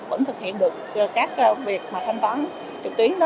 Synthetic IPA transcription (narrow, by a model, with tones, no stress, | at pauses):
və̰˧˥ŋt̪ʰɨ˨˩k̚hḭ˧˨ənɗɨ˨˩əkːkaː˦˥k̚vi˨˩ək̚maː˨˩t̪ʰa˧ŋt̪waː˨˦n | t͡ɕʊ˨˩k̚t̪wi˨˦əŋn˨˧